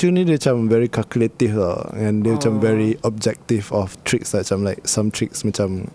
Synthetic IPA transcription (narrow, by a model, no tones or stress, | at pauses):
t͡ʃunidet͡ʃãmvɛɹikʰalkjuletifa̰ɛ̃ndet͡ʃãmvɛɹiɔb̚d͡ʒɛk̚tivɔftʰɹik̚sdat͡ʃãmlaɪk̚sãmtʰɹik̚smɛt͡ʃãm